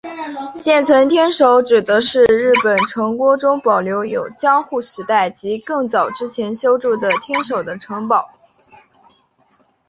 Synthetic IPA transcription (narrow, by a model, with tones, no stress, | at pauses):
ɕjɛ˥˩nt͡sʰwə˧˥nt̪ʰjɛ˥nʂo˧˥ʊʈ͡ʂɻ̩˨˩d̪ə˧˥ʂɻ̩˥˧ɻɻ̩˥˩pə˨˩nʈ͡ʂʰɤ˧˥ŋkwɔ˥ʈ͡ʂʊ˥ŋpɑ˨˩ʊljo˧˥ʊjo˨˩ʊt͡ɕjɑ˥ŋxu˥˩ɕɻ̩i˧˥t̪a˥˩ɪt͡ɕi˧˥kɤ˥˩ŋt͡sɑ˨˩ʊʈ͡ʂɻ̩˥t͡ɕʰjɛ˧˥nɕjo˥ʊʈ͡ʂu˥˩d̪ə˩t̪ʰjɛ˥nʂo˨˩ʊd̪ə˦ʈ͡ʂʰɤ˧˥ŋpɑ˨˩˦ʊ